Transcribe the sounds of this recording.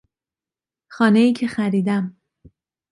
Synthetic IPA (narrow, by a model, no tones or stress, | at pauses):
xɒːne̞jiːcʰexæɾiːd̪æm